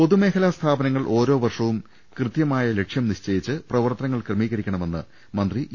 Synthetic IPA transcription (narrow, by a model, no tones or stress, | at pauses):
po̞ðume̞ːkʰɐlaːst̪ʰaːbɐnɐŋːɐɭʔo̞ːɾo̞ːʋɐrʂɐʋum | krɨt̪jɐmaːjɐle̞kʂjɐmniɕt͡ɕɐjit͡ɕːɨprɐʋɐrt̪ɐnɐŋːɐɭkrɐmiːɣɐɾikʲːɐɳɐme̞nːɨ | mɐnd̪ri